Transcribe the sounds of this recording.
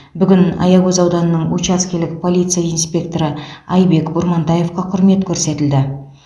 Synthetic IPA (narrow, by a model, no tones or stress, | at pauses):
bʏɡʲɪnɑ̰jɑwɵzɑwd̪ɑnənəɴwut͡ʃɑskʲelɪkpʰo̞lˠit̪sɨjainspʲe̞kt̪o̞ɾəɑjbe̞kbʊɾmɑnt̪ɑje̞fqɑqʰʊɾme̞t̪kʲʰɵɾse̞t̪ɪld̪ɪ